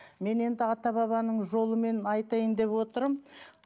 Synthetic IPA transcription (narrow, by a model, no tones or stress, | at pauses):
me̞ne̞nd̪ɪɑt̪ɑβɑβɑnəɴʒo̞lˠəme̞nɑjt̪ɑjənd̪e̞pwo̞t̪əɾm